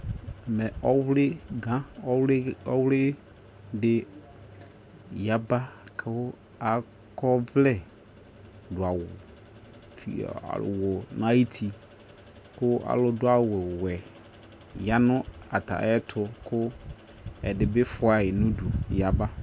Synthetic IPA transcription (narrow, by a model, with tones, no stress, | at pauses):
ɛ˨mɛ˨ʔɔ˦wlɪ˦ɡã˦ɔ˦wɔ˦wlɪ˦ | dɪ˨ | ja˦ba˦kʰʊ˦ | a˨ | kʰɔ˦vlɛ˦˨ | dʊ˨a˨wʊ˨ | fḭ˨a̰˨wʊ˨n˨˦a˦i˦tʰi˨ | kʊ˦a̰˨lʊ˦dʊ˦a˦˨wɛ˨wɛ˨ | ja˦nʊ̃˦a˨ta̰˨˦ɛ˦tʰʊ˨kʰʊ˦ | ɛ̰˨dɪ˨bɪ˦fʊ˨˦a˨jɪ˨nʊ̃˦du˨ja˨ba˦